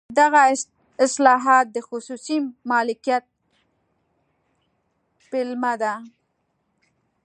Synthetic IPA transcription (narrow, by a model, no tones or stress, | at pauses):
d̪aɣa | ɪslɑɦɑt̪̚d̪əxʊsusimɑlɪkijat̪̚ | pɪlmad̪a